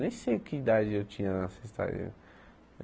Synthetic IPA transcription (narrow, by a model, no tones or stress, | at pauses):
nẽj̃sejʊkɪid̪ad͡ʒɪewt͡ʃĩɲɐnɐsest̪a̰ɾḭɐ̰